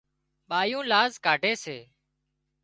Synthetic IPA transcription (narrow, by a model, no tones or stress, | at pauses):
ɓaːjũːlaːzkaːɖʱeːseː